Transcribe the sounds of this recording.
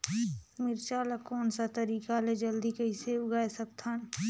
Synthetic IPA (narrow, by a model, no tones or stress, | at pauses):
mɪɾt͡ʃaːlakɔːnsat̪əɾiːkaled͡ʒəld̪ikɐiseʊɡaesɐk̚t̪ʰan